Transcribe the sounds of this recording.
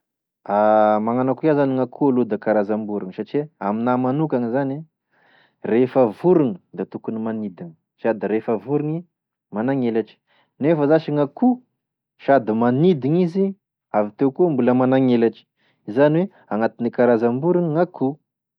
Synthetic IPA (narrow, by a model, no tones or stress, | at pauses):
amaŋanakuazaniŋakʰualud̪əkaɾazambuɾuŋəsaʈ͡ʂiaminamanukaŋizani | refəvuɾuŋəd̪at̪ukunimanid̪iŋə̥ | ʃad̪iɾefəvuɾuŋi | manaŋelaʈ͡ʂi̥ | nefəzaʃiŋaku | ʃad̪imanid̪iŋizi | avit̪ewkumbuləmanaŋelaʈ͡ʂi̥ | izaniwe | aŋat̪inikaɾazambuɾuŋəŋakʰu